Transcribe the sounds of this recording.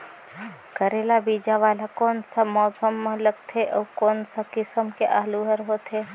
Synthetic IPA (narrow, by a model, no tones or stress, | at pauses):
kəɾeːlabiːd͡ʒaʋaːlakɔːnsamɔːsəmləɡ̚t̪ʰeʔɔːkoːnsakɪsəmkeʔaːluɦəɾɦoːt̪ʰɦeː